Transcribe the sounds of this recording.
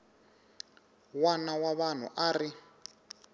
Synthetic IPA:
wanawaβan̤ṵʔaːri

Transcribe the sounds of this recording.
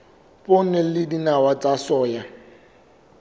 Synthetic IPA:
pʼonɛlɪdinawat͡sʼasɔːja

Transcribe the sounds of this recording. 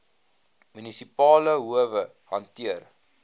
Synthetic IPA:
mynisipɑːləɦuəvə | ɦɐntiər

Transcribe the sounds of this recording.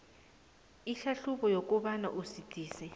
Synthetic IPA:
iɬaɬuɓɔjok̬ʼuɓana̰ʔusitʰʼiːsɛ

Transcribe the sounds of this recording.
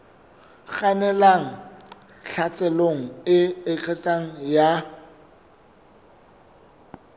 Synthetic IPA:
χanɛlaŋ̩ | ɬʰat͡sʼɛloŋ̩ɪɪkʰɛt͡sʼaŋ̩ja

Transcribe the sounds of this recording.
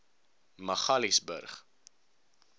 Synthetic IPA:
mɐχɐlisbə̰rχ

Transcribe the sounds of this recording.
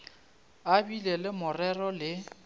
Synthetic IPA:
abilelɪmʊrɛrɔlɪ

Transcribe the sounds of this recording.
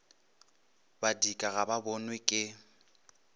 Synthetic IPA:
badikʼaɣababɔnwɛkʼɪ

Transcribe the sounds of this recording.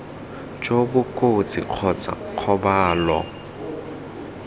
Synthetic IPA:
t͡ʃʼobʊkʼot͡sʼɪ̰q͡χʰɔt͡sʼa̰q͡χʰɔbaːlɔ̰

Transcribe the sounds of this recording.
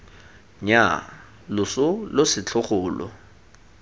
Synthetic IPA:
ɲa | lʊsʊlʊsɪt͡ɬʰʊχʊːlɔ̰

